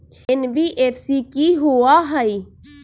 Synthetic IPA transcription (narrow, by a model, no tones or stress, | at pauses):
ɪnbiʔeːfsikiɦuaɦəi